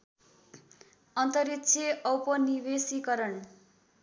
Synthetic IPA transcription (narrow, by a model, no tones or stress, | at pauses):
ʌnt̪ʌɾitsʰeʌwpʌnibesikʌɾʌɳ